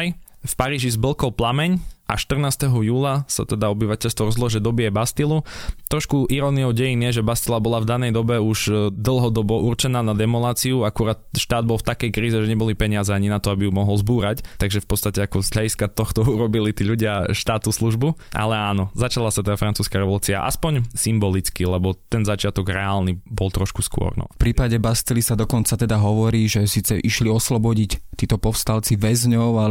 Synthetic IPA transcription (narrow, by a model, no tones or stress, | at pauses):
jfpaɾiːʒizbl̩ˠkɔlplamɛɲʔa̰ʃt̪r̩naːst̪ɛɦɔjuːlasa̰t̪ɛd̪aɔbiʋacɛʎst̪ʋɔɾɔzlˠɔʒɛd̪ɔbiɛbast̪ilˠut̪ɾɔʃkuʔiɾɔniɔʊɟɛjinɪjɛʒɛbast̪ilabɔlavd̪anɛjd̪ɔbɛuʒd̪l̩ˠɦɔd̪ɔbɔʔurt͡ʃɛnaːnad̪ɛmɔlaːt͡siuakuɾaːt̪ʃt̪aːd̪̚bɔlft̪akɛjkɾiːzɛʒɛɲɛbɔlipɛɲɪazɛaɲinat̪ɔabijumɔɦɔlzbuːɾact̪aɡʒɛfpɔt̪st̪acɛakɔzɦlʎadiskat̪ɔxt̪ɔuɾɔbilit̪iːʎuɟɪaʃt̪aːt̪usluʒbuʔa̰lɛaːnɔzat͡ʃalasat̪ɛd̪afɾant͡suːskaɾɛʋɔluːt͡sia̰ʔa̰spɔɲsimbɔlit͡skilɛbɔt̪ɛnzat͡ʃɪat̪ɔɡɾɛaːlnibɔlˠt̪ɾɔʃkuskʊɔ̰ɾnɔ̰fpɾiːpaɟɛbast̪ɛlisad̪ɔkɔnt͡sat̪ɛd̪aɦɔʋɔɾiːʒɛsiːt͡sɛʔiʃliɔslɔbɔɟict̪iːt̪ɔpɔfst̪alt͡siʋɛzɲɔʊa